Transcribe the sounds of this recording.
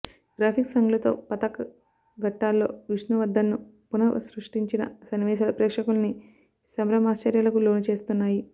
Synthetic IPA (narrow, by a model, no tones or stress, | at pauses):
ɡ̥ɾaːpʰiksɐŋɡulɐt̪o̞̰ːpɐt̪ɐkɐ | ɡɐʈːaːlːo̞ːʋiʂnuʋɐd̪ːɐnːu | punɐɐ̰sɾuʂʈiɲt͡ʃinɐ̰sɐniʋɛːʃ̬aːlɐpɾɛːkʂɐkulɐni | sɐmɾɐmaːst͡ʃɐɾjɐlɐkulo̞ːnut͡ʃe̞ːst̪unːaːji